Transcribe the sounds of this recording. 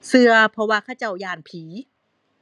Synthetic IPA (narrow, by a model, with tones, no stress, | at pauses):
sɯ˧ɐpʰɔ˧waː˧˩kʰaː˧˥˩t͡ɕa˧˩wjaː˧˩npʰiː˩˦